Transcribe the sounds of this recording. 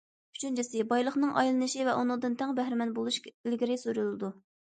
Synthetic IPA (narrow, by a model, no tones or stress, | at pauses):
y̥t͡ʃʰynt͡ʃʰisɪbɑjlˠəχnɨŋʔɑ̰jlˠɨnɨʃivɛʔunɨŋd̪ɨnt̪ʰɛŋbɛɦɾɪmɛnbolˠuʃkʲɪlɡʲiɾɪsuɾulˠɨd̪u